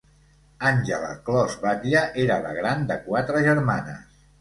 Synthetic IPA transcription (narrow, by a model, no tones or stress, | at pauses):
anʲʒələ̰klɔzβat̪iəʔeɾələ̰ɣɾand̪əkwat̪ɾəʒəɾmanə̰s